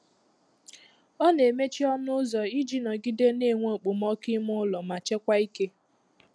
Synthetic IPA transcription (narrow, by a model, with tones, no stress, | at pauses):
ɔ˦ne˨me˦t͡ʃi˦ɔ˦nʊ˦ʊ˦zɔ˨i˦d͡ʒi˦nɔ˨ɡi˦de˦ne˦˨ŋʷo˦˨k͡pʊ˨mɔ˦kɪ˦mʊ˦lɔ˨ma˨t͡ʃe˦kʷa˦i˦ke˦